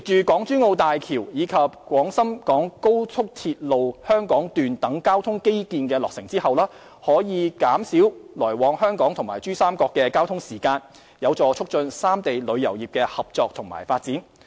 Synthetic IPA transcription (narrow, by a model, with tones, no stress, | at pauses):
k̚t͡ʃyː˨kɔː˨˥ŋt͡ʃyː˥nŋo˧wt̪aː˨jkʰiː˨˩wjiː˨˧kʰɐ˨p̚kʷɔː˨˥ŋsɐ˥mkɔː˨˥ŋko˥wt͡sʰʊ˥k̚t̪ʰiː˧t̚lo˨whœː˥ŋkɔː˨˥ŋt̪yː˨nt̪ɐ˨˥ŋkaː˥wt̪ʰʊ˥ŋke˥jkiː˨˧nkɛː˧lɔː˨k̚sɪ˨˩ŋt͡siː˥hɐ˨wlaː˥ | hɔː˨˥jiː˨˧kaː˨˥msiː˨˥wlɔː˨˩jwɔː˨˧ŋhœː˥ŋkɔː˨˥ŋt̪ʰʊ˨˩ŋmaː˨˩jt͡ʃyː˥saː˥mkɔː˧kːɛː˧kaː˥wt̪ʰʊ˥ŋsiː˨˩kaː˧n | jɐ˨˧wt͡sɔː˨˧t͡ʃʰʊ˥k̚t͡ʃɵ˧nsaː˥mt̪e˨jlɵ˨˧ɥjɐ˨˩wjiː˨p̚kɛː˧hɐ˨p̚t͡sɔː˨˧k̚t̪ʰʊ˨˩ŋma̰ː˨˩jfaː˧t̚t͡siː˨˥n